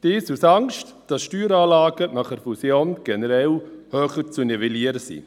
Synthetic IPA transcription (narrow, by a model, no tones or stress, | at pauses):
d̥ɪːsusɑŋʃt | d̥ɑsʃtyːɾɑːlɑːɡənɑχəɾfusjoːnɡ̥ɛnəɾɛlhøːχət͡sunɛvɛliəɾəsḭ